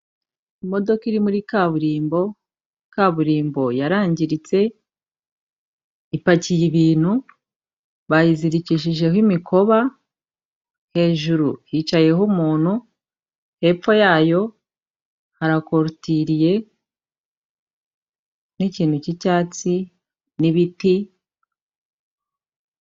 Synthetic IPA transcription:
imo̞do̞kiɾimuɾikaβuɾiːmbo̞ | ikaβuɾiːmbo̞jaɾaːɲɟiɾit͡se̞ | ipacijiβiːn̥hu | βajiziɾiciʃiʒe̞hwimikʰo̞βa | he̞ːʒuɾṵhiːt͡ʃaje̞humuːn̥hu | he̞ːfo̞jaːjo̞ | haɾako̞ɾutiɾije̞ | niciːn̥hucicaːt͡si | niβiti

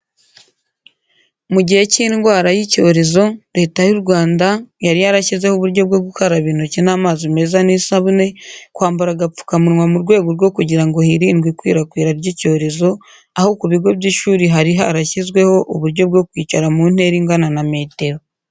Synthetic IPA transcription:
muɟihe̞cinŋɡwaːɾajico̞ːɾe̞zo̞ɾe̞ːtajuɾɡwaːndajaɾijaɾaçizwe̞hoβuɾɟo̞b̚ɡo̞ːɡukaɾaβiːnucinaːmaːzime̞zanisaβune̞kwaːmbuɾaɡap͡fu̥kamuɾŋwamuɾɡwe̞ːɡoɾɡo̞kuɟiɾaŋɡo̞hiɾiːnɡwikwḭːɾakwiːɾaɾɟico̞ːɾe̞zo̞ | aho̞kuβiɡwe̞bɟiʃuːɾiɦaɾiɦaɾaçizɡwe̞ho̞ʔuβuɾɟo̞bɡo̞kwiːcaɾamun̥e̞ɾiŋɡananame̞ːte̞ɾo̞

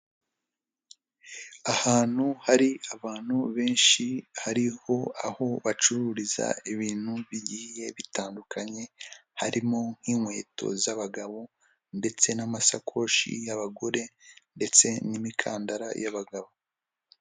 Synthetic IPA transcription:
ahaːn̥huhaɾiaβaːn̥huβe̞ːnʃihaɾiho̞aho̞βat͡ʃuɾuːɾiza̰iβiːn̥huβiɟiːje̞βitʰaːndukʰaɲe̞haɾimo̞ŋ̥hiːŋwe̞̰ːto̰zaβaɡaβo | nde̞t͡se̞namasakʰo̞ːʃḭjaβaɡo̞ɾe̞nde̞t͡se̞nimikʰaːndaɾa̰jaβaɡaβo

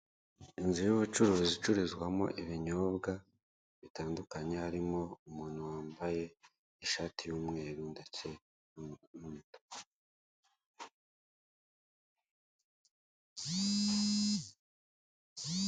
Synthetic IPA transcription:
inzijuβut͡ʃuɾozit͡ʃuɾizɡwamo̞̰ʔiβiɲo̞ːbɡa | βitaːndukaɲe̞aɾimo̞umuːn̥huwaːmbaje̞ | iʃaːtijuːmŋe̞ːɾundace̞ | numuto̥

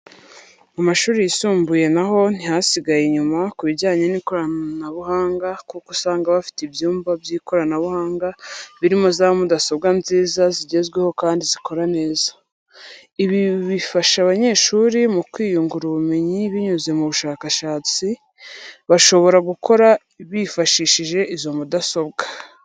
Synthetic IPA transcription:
amaʃuːɾejisuːmbuje̞naɦo̞n̥ihasiɡajeɲumakuβiɾɟaːɲeniːko̞ɾanaβuɦaːŋɡakukosaːŋɡaβafi̥tibjuːmvabjiːko̞ɾanaβuhaːŋɡaβiɾimo̞zaβomudasoβɡanziːzaziɟe̞zɡwe̞ho̞kaːndizikʰo̞ɾane̞ːzḁ | iβiβifaʃaβaɲe̞ʃuːɾimukwiːjuŋɡuɾuβume̞ɲiβiɲuze̞muβuʃaːkaʃaːt͡si | βaʃo̞βo̞ɾaɡukʰo̞ɾa | βifaʃiːʃiʒe̞izomudaso̞βɡḁ

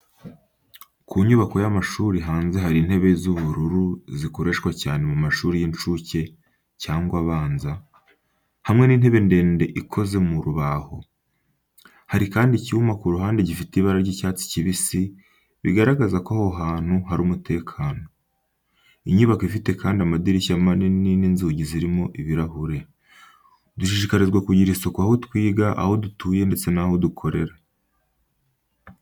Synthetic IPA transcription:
kʰuɲuβako̞jamaʃuːɾiɦaːnze̞ɦaɾin̥e̞βe̞zuβuɾuɾuzikoɾe̞ʃkwacaːne̞mumaʃuːɾijint͡ʃuce̞ | caːŋɡwaβaːnza | hamŋe̞niːn̥he̞βe̞nde̞ːnde̞ʔikʰo̞ze̞muɾuβaho̞̰ | haɾikaːndiciumakuɾuɦaːndeɟifitiβaɾaɾɟicaːt͡si̥ciβisi | βḭɡaɾaɡazakoahoɦaːn̥huhaɾuːmutʰe̞ːkʰaːno̞ | iɲuβakoifite̞kʰaːndiamadiɾiʃamaninininzuːɟiziɾimo̞ʔiβiɾahuɾe̞ | duʃiʃikaɾizɡwakuɟiɾiso̞koahotwiːɡaʔa̰ho̞dutuːje̞nde̞t͡se̞naho̞dukʰo̞ɾe̞ɾa

